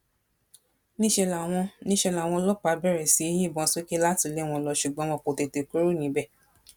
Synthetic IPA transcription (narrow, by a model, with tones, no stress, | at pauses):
nĩ˦ʃɛ˧la˨w̃ɔ̃˧nĩ˦ʃɛ˧la˨w̃ɔ̃˧lɔ˦k͡pa˧bɛ˦˨ɾɛ˨si˨˧˦e˦jĩ˦˨bɔ̃˧˦so˦ke˦la˦ti˧˨le˦w̃ɔ̃˧lɔ˧ʃu˨ɡ͡bɔ̃˨˦wɔ̃˧˨ko˨te˨te˨ku˦ɾu˦˨nĩ˨˦bɛ˦˨